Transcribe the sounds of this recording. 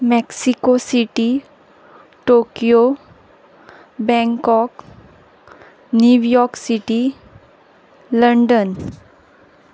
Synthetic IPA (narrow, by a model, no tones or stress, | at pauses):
mɛksikosiʈi | ʈokijo | bɛ̃ŋkɔk | njuʋjɔɾksiʈi | ləɳɖən